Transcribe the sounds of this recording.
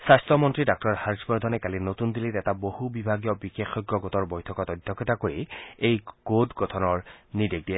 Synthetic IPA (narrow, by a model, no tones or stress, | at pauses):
sastɹɔmɔntɹidak̚tɔɹhaɹsbɔɹd̪ʱɔnɛkalinotundilitɛtabohubibʱaɡijɔbixexɔɡjɔɡɔtɔɹbɔjtʰɔkɔtɔdʱːɔkɔtakoɹiejɡ̥odɡɔtʰɔnɔɹnideɡ̚diɛ